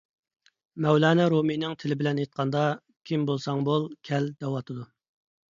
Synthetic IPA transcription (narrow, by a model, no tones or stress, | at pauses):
mɛwlɑːnɛɾominɪŋt̪ʰɪlɪbɪlɛnet̪̚qʰɑnd̪ɑ | kʲʰimbolˠsɑŋbolˠkʲʰɛld̪ɛwɑt̪ʰɨd̪u